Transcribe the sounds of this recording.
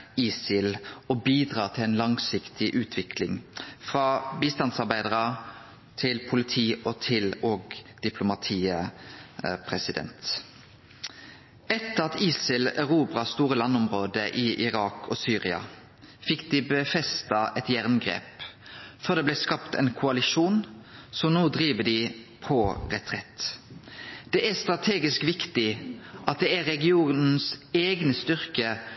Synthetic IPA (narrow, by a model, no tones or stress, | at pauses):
iːsɪlɔbiːd̪ʁɑːt̪ʰɪlɛeːnlɑŋsɪkt̪ʰɪʔʉːt̪ʰʋɪkʰlɪŋfʁɑbiːst̪ɑnsɑʁbæɪd̪əʁə | t̪ʰɪlpʰʊlɪt̪ʰiːɔt̪ʰɪlɔɡd̪̥ɪpʰlʊmɑt̪ʰiːə | pʰʁɛsɪd̪ɛ̰nt̪ | ɛt̪ːəʁɑt̪iːsɪlæʁuːbʁɑst̪uːʁəlɑnːɔmʁoːd̪əʔɪʔɪʁɑːkʰɔsyːʁɪɑ̰ | fɪkd̪ɪbəfɛst̪ɑʔɛt̪jæʁnɡʁḛːpfɔʁd̪ɛːblɛːskɑpt̪ɛ̰ɪnkʰʊɑlɪʃuːnsɔmnuːd̪ʁiːʋəd̪ɪpʰɔʁɛt̪ʰʁɛt̪ | d̪̥ɛʔæst̪ʁɑt̪ʰeːɡɪskʋɪkt̪ɪʔɑt̪̚d̪ɛæʁɛɡɪuːnn̩seːɡnəst̪ʏʁkə